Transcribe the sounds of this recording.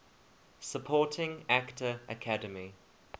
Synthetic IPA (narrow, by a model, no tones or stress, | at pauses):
səpʰɔˑtʰɪ̃ŋaktʰəə̰kʰadəmi